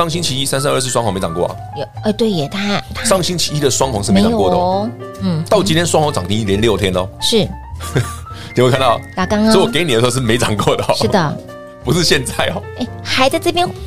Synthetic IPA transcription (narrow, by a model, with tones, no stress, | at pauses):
ɑ˥˩ŋɕi˥nt͡ɕʰi˧˥i˦˥sa˥˦ns̬a˥nə˞˥˧s̬̩˥˩wɑ˥ŋwɑ˧˦me˧ɪʈ͡ʂɑ˨˩ŋkwɔ̰˥˩ɐ̰˨˩jo˨˩ɛ˥˩t̪we˥˩ɪjɛ˨˩t̪ʰa˥t̪ʰʂɑ˥˩ŋɕi˥ŋt͡ɕʰi̥˧i˦˥d̪ə˨swɑ˥ŋxwɑ˧ŋs̬ʂ̩˥˩e˧˦ɪ˨jjkɔ˥˩də˩˥˩ | t̪ɑ˥˩ʊt͡ɕi˥nt̪ʰjɛ˥nswɑ˥ŋxwɑ˧ŋt͡sɑ˨˩ŋt̪ʰi˧˥ŋi˥˩ljɛ˦nljo˥˩ʊt̪ʰjɛ˥nə˨ʂɻ̩˥˩ | t̪wkʰa˥˧nt̪ɑ˥˨˩ʊa˨˩kɑ˥ŋ˧˥wɔ˨ke˧ɪn˨˩lʂwʂɻ̩˥˩me˧˥ɪt͡sɑ˨˩ŋkwɔ˥˩d̪ə˩˦ʂ̩˥˩d̪ə˩ | pu˧˥ʂɻ̩˥˧ɕjɛ˥˧nt͡sa˥˩ɪɔ˨˩e˥˩xa˨˧˥ɪt͡sa˥˧ʈ͡ʂɤ˥˩pjɛ˥n